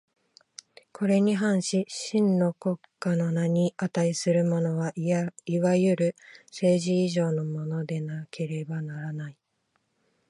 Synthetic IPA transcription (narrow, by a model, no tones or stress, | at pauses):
kʰo̞ɾe̞ɲ̟iɦãɰ̃ɕiɕĩnːo̞ko̞kːano̞naɲ̟iat̪aisɨɾɯ̟mo̞no̞βaiβajɯ̟ɾɯ̟se̞ːʑiːʑo̞ːno̞mo̞no̞d̪e̞nakʰe̞ɾe̞banaɾanai